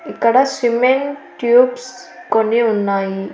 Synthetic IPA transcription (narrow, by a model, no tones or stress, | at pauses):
ikaɽasimenʈjubs | koniunːai